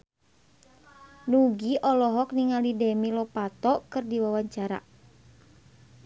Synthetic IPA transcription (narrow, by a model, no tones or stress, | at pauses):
nuɡiʔɔlɔɦɔk̚niŋalidɛmilɔpat̪ɔkɨrdiwawaɲt͡ʃaɾa̰